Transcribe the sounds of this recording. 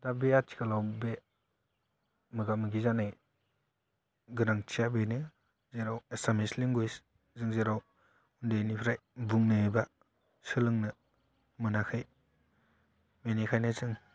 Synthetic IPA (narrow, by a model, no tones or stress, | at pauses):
dabeatʰi̥kʰalawbe | mɯɡamɯɡizanaj | ɡɯnaŋtʰijabenɯ | zeɾawesamesliŋɡujs | zɯŋzeɾaw | undenipʰɾajbuŋnɯeba | sɯlɯŋnɯ | mɯnakʰɯj | menikʰajnazɯŋ